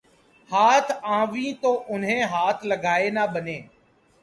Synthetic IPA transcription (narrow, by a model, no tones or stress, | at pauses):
haːt̪ʰãːʋĩːt̪oːʔʊnɦẽːɦaːt̪ʰləɡʱaːeːnaːɓəneː